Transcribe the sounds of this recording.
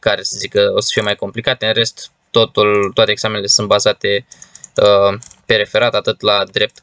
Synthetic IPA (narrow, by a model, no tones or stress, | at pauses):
kaɾe̞səzikəosə̥fije̞majko̞mplikat̪eɨnre̞st̪ː | o̞t̪ult̪owat̪eːɡsame̞nele̞sɨnt̪bazat̪e̞ | əpe̞ɾe̞fe̞ɾat̪at̪ɨt̪lad̪ɾe̞p̚t̪